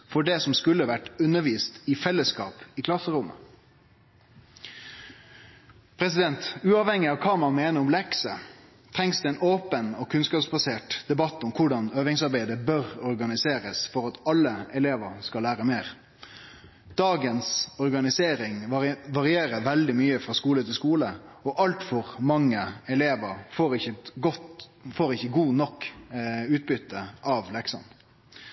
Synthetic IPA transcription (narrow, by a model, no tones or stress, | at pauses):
fɔɖɛsɔmskʉlːəʋæʈːʉnəɾʋiːst̪ɪfɛlːəskɑ̰ːpɪːkʰlɑsːəɾʊmə̰ | pʰɾɛs̬ɪd̪ɛnt̪ʉːɑːʋhɛŋːɪɑʋkʰɑːmɑnmeːnəɾɔmlɛksə̰ | t̪ʰɾɛŋsd̪ʉːɛːnoːpənɔkʰʉnskɑːpsbɑseːʈd̪̥ɛbɑt̪ːɔmkʰʊɖɑnøːʋɪŋsɑɾbæɪd̪əbœɾɔɾɡɑnɪseːɾəsfɔɾɑt̪ɑlːəɛleːʋəɾskɑlːæːɾəmeːɾ | d̪̥ɑːɡənsɔɾɡɑnɪseːɾɪŋɑʋɑɾɪeːɾəʋɛld̪ɪmyːəfɾɑːskuːlət̪ʰɪlskuːləɔʔɑlt̪fɔɾmɑŋːəɛleːʋəɾfoːɾɪçəɡɔt̪foːɾɪçːəɡuːnɔkː | ʉːt̪̚bʏt̪ːəʔɑʋlɛksɑ̰n